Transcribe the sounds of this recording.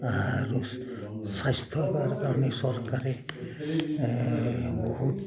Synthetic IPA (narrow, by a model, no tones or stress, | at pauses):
aɾu | sajst̪ʰɔbaɾkaɾɔnesɔɾkaɾɛ | bɔɦut